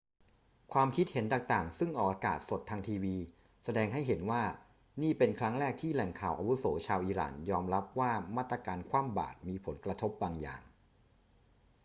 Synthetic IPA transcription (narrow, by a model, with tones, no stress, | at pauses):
kʰwaː˧mkʰi˦˥t̪̚he˩˦nt̪aː˨˩ŋt̪aː˨˩ŋsɯ˥˩ŋʔɔː˨˩k̚aː˧kaː˨˩t̪̚so˨˩t̪ʰːaː˧ŋt̪ʰiː˧wiː˧ | sa˧dɛː˧ŋɦa˥˩jɦe˩˦nwaː˥˩ | niː˥˩pe˧nkʰɾa˦˥ŋɾɛː˥˩k̚t̪ʰiː˥˩lɛ˨˩ŋkʰaː˨˩wʔa˧wu˦˥soː˩˦t͡ɕʰaː˧wʔiː˧ɾa̰ː˨˩njɔː˧mɾa˦˥p̚waː˥˩maː˥˩t̪ːɾa˧kaː˧nkʰwaː˥˩mba̰ː˨˩t̪̚miː˧pʰo˩˦nkɾa˧t̪ʰo˦˥p̚baː˧ŋja̰ː˨˩ŋ